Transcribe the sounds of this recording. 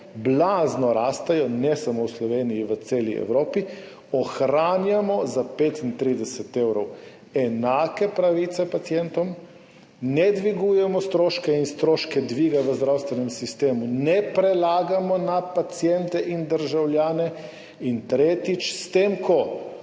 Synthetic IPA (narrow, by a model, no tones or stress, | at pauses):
blaznɔɾaːst̪ajɔnɛsamowslɔʋeːnijiʋət̪seːlḭɛ̰wɾoːpi | ɔxɾaːnjamɔzapeːt̪int̪ɾid̪ɛsɛt̪ewɾɔw | ɛnaːkɛpɾaʋit̪sɛpat̪sjɛnt̪ɔm | nɛd̪ʋiɡuːjɛmɔst̪ɾoːʃkɛinst̪ɾoːʃkɛd̪ʋiːɡaʋəzd̪ɾawst̪ʋɛnɛmsist̪eːmunɛpɾɛlaːɡamɔnapat̪sjɛnt̪ɛʔind̪əɾʒawljaːnɛ | int̪ɾeːt̪it͡ʃst̪eːmkɔ